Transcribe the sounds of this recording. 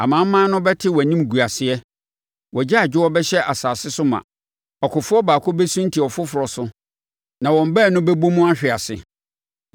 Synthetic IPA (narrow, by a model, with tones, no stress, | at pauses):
a˨mã˨˦m̩˦mã˦nʊ̃˦bɛ˦tʰɪ˦wnĩ˦m˨ɡu˨a˨sɪ˦ɛ˦ | wɔ˨d͡ʑa˦a˨d͡ʑᶣɪ˦wɔ˦bɛ˦ɕɛ˦ʔa˨saː˨sɪ˦sʊ˦mã̰˨ | ɔ˨kʰʊ˨fʊ˦ɔ˦baː˨kʰʊ˦bɛ˦sũ˦n˦tʰi˨ɔ˨fʊ˦fʊ˨ɾɔ˨sʊ˦ | nã˨wɔ̃˨m˨bɛ˦˨nʊ̃˦bɛ˦bo˦mʊ̃˦a˦ɕᶣɪ˨a˨sɪ̰˨